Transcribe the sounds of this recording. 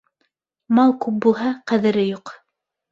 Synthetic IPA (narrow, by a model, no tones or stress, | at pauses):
mɑlˠkʉp̚bulˠɦɑqæðɘ̆ɾɘjuq